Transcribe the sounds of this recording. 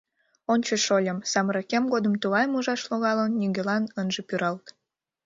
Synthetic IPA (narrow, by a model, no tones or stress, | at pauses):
onʲt͡ɕəʃolʲəmsɑmɾɑkemɡod̪əmt̪uɣɑjmuʒɑʃloɣɑlənːyɣʲelɑnənʒepyɾɑlt̪